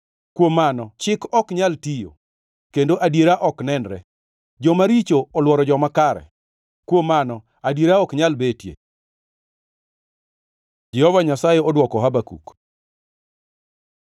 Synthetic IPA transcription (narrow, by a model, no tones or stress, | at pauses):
kwomːanɔt͡ʃɪkɔkɲaltijo̰ | kendoʔadjeɾaʔɔknɛnɾɛ̰ | d͡ʒɔmaɾit͡ʃoːlwɔɾɔd͡ʒɔmakaɾɛ̰ | kwomːanɔ | adjeɾaɔkɲalbetjḛ | d͡ʒɛhɔvaɲasajɛɔdwɔkɔɦabakṵk